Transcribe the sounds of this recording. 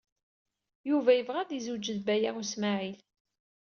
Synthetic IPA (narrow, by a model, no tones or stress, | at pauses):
juvæjəvʁaðizud͡ʒəðbæjaʁusmaʕil